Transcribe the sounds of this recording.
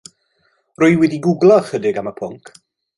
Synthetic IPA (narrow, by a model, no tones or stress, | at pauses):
rʊjwɛdiɡʊɡlˠɔχədɪɡaməpʰʊŋkʰ